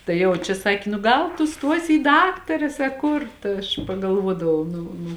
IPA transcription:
tɐɪ ˈjɛʊ t͡ʃʲɛ ˈsɑːkʲɪ nʊ ˈɡɐlˠ tʊ ˈstuɔsʲɪ iː ˈdɑːktɐrʲɛs ɐ ˈkʊr tɐ ˈɐʃ pɐɡɐlˠˈʋuɔdɐʋɐʊ ˈnʊ nʊ

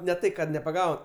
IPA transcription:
nʲɛ ˈtɐɪ kɐt nʲɛpɐˈɡɐʊ

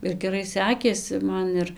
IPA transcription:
ɪr ɡʲɛˈrɐɪ ˈsʲæːkʲeːsʲɪ ˈmɐn ɪr

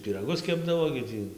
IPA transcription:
pʲiːrɐˈɡʊs ˈkʲæːbdɐʋoː ɡʲɪ ˈtʲiː

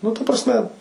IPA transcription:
ˈnʊ tɐ prɐsʲˈmʲɛ

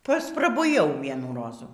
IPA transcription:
pɐsprɐbʊˈjɛʊ ˈʋʲiɛnuː ˈroːzuː

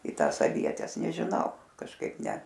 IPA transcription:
iː ˈtɑːs ɐˈʋʲiɛtʲɛs nʲɛʒʲɪˈnɐʊ kɐʃˈkɐɪp nʲɛ

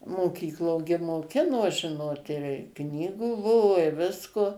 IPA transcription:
moːˈkʲiːklˠoː ɡʲɪ moːˈkʲɪnoː ˈʒʲɪnoːt ɪr ˈknʲiːɡuː ˈbʊʋoː ɪ ˈʋʲɪskoː

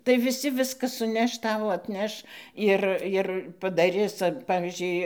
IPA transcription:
tɐɪ ʋʲɪˈsʲɪ ˈʋʲɪskɐ sʊˈnʲɛʃ ˈtɐʊ ɐtʲˈnʲɛʃ ˈɪr ɪr pɐdɐˈrʲɪs ˈpɑːʋʲiːzʲd͡ʒʲʊɪ

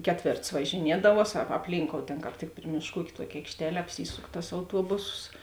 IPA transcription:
ˈkʲæːˌtʲʋʲeːrts ʋɐʒʲɪˈnʲiɛdɐʋuɔs ɐ ɐpʲˈlʲiːŋkoːʊ ˈtʲeːn kɑːp ˈtʲɪk ˈpʲrʲɪ mʲeːʃˌkuː ˈuːkʲ ˈtuɔkʲɪ ɐɪkʃʲˈtʲæːlʲɛ ɐpʲˈsʲiːsʊk tɐs ɐʊˈtuɔbʊsoːs

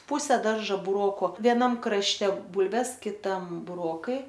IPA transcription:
ˈpʊsʲɛ ˈdɐrʒɐ bʊrˈoːkʊ ʋʲiɛˈnɐm krɐʃʲˈtʲɛ ˈbʊlʲʋʲɛs kʲɪˈtɐm bʊˈroːkɐɪ

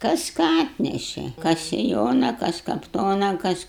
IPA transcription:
ˈkɐs ˈkɑː ˈɑːtʲnʲɛʃʲɛ ˈkɐs sʲɪˈjoːnɐ ˈkɐs kɐpˈtoːnɐ ˈkɐs

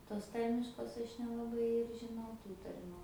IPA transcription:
toːs ˈtɐrʲmʲɪʃkoːs ˈɐʃ nʲɛlˠɐˈbɐɪ ɪr ʒʲɪˈnɐʊ ˈtuː tɐrʲˈmʲʊ

